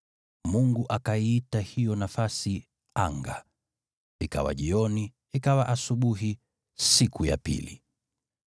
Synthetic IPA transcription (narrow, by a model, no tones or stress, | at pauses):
muŋɡuʔakaiitahijɔnafasi | aŋɡa̰ | ika̰wa̰ʄiɔni | ikawaʔasuɓuɦi | sikuja̰pḭlḭ